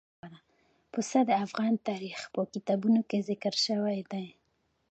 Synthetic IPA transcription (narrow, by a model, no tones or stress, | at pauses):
ɾa | pəsad̪əafɣɑnt̪ɑɾixpəkit̪ɑbunokezɪkɾʃəwajd̪aj